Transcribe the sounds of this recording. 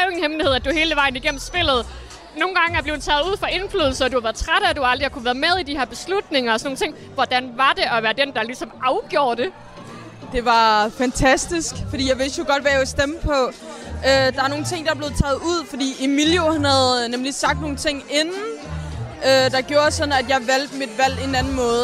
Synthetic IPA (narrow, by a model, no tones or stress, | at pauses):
enhemlihe̝ð̞̰ˠæd̥uhe̝ːləʋɑ̈ɪn̩iɡ̥en̰m̩sb̥e̝l̰ð̞̩ˠ | no̝ːn̩ɡ̥ɑ̈ŋəæɐb̥le̝ʊdut͡sʰɛ̰ːð̩ˠuð̰ˠfɒ̽ʔe̝nflyːðˠl̩sɐɒd̥uhɑ̈ʋæːɐð̩ˠt͡sʰʁaɾ̥æd̥uɑ̈ld̥ʁihɑ̈kʰuʋæːɐð̩ˠmeð̞ˠid̥iheɐb̥e̝slud̥ne̝ŋɐɒ̽sɒ̽no̝ːŋnt͡sʰe̝̰ŋ̰ | ʋɒd̥ænʋɑ̈d̥e̝ʔɒ̽ʋæːɐd̥end̥ɑ̈lisɒ̽mʔɑ̈ʊɡ̥jo̝ːɐd̥e̝ | d̥e̝ʋɑ̈fænt͡sʰæsd̥isɡ̥fɒd̥ḭːjɑ̈ɪʋe̝sd̥jo̝ɡ̥ɒ̽d̥ʋæjaesd̥eməpʰɒ̽ød̥ɑ̈ɑno̝ːn̩t͡sʰe̝ŋ̰d̥ɑ̈b̥le̝ð̩ˠt͡sʰɛ̰ːð̞̩ˠuð̰ˠfɒ̽d̥ḭːimiljohænhæðˠnemlisɑ̈ɡ̥̚d̥no̝ːn̩t͡sʰe̝ŋ̰e̝nn̩ | ød̥ɑ̈ɡ̥jo̝ːɐsɒ̽d̥næd̥jɑ̈ɪʋæl̰d̥mid̥ʋæl̰e̝nænn̩mɔ̽ːðˠ